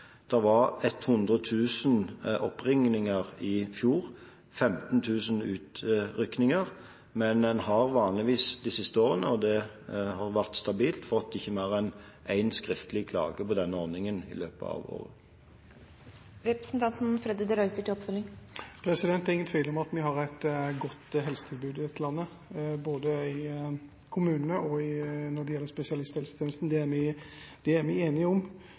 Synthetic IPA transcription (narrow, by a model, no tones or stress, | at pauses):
d̪̥ɛʋɑʁɛt̪ːhʊnd̪ʁət̪ʰʉːsənɔpːʁɪŋnɪŋəʁɪfjuːʁ | fɛmt̪n̩t̪ʰʉːsənʉːt̪ɾʏknɪŋəʁ | mɛnd̪ɛnhɑʁʋɑːnlɪʋiːsd̪ɪsɪst̪əoːʁənəɔd̪ɛ | hɑʁʋæʁt̪st̪ɑbiːlt̪fɔt̪ːɪçːəmæːʁɛɪn | ʔæɪnskʁɪft̪əlɪkʰlɑ̰ːɡəpɔd̪ɛnːəɔʁnɪŋənɪ̰løːpəɑ̰ʋo̰ːʁə | ɾɛpɾəsn̩t̪ʰɑnt̪n̩fɾɛd̪ɪd̪əɾœʏt̪əʈʰɪlɔpfœlɪŋpʰɾɛsɪd̪ɛnt̪ːæɾɪŋənt̪ʰʋiɪːlɔmɑt̪mɪɦɑɾæɪt̪ɡɔt̪ːɦɛlsə̥t̪ʰɪlbʉːd̪ɪɛt̪ʰːlɑnːə | boːd̪əɪ | kʰʊmʉːnnəɔɪnɔɖɛjɛlːəɾspɛsɪɑlɪst̪ɛlsət̪ʰɛːnəst̪n̩d̪ɛæɾmæɪd̪̥ɛæɾmæɪeːnɪʊm